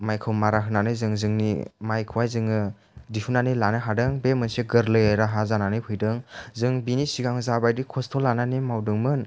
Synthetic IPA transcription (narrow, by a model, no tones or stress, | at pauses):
majkʰɯwmaɾaɦɯnanɯzɯŋzɯŋnḭmajkʰɯwajzɯŋɯ | difʰunanɯlanɯɦadɯŋbemɯnseɡɯɾlɯjɾaɦazananɯpʰɯjdɯŋzɯŋbinisiɡaŋzabajdikʰɔstʰɔlananimawdɯŋmɯn